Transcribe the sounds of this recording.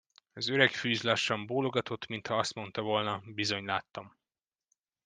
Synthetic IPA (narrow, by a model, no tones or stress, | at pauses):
ɒzø̞ɾɛkfyːzlɒʃːɒmboːlo̞ɡɒt̪o̞t̪ːmint̪hɒɒst̪mo̞nt̪ɒvo̞lnɒbizo̞ɲlaːt̪ːɒm